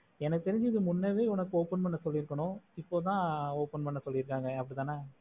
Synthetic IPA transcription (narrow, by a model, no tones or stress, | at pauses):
ɛnɐkːɯt̪ɛɾɪɲd͡ʒɯɪðɯmʊnːeʋeːʊnɐkːɯoːpɐnpɐɳːɐsɔlːɪɪɾɯkːɐɳʊ̃ɪpːoːt̪̬ãːoːpɐnpɐɳːɐsɔlːɪɪɾɯkːaːŋɡɐɐpːɐɽit̪ãːnaː